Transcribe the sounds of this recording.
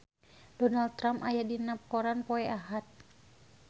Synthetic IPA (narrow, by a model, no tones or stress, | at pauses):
d̥ɔnal̚t̪ːɾamajadinap̚kɔɾanpɔɛʔaɦat̪̚